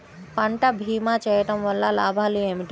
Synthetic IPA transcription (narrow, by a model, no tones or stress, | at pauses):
paɳʈabʱiːmat͡ʃɐʈɐmʋɐlːalaːbʱaliemiʈ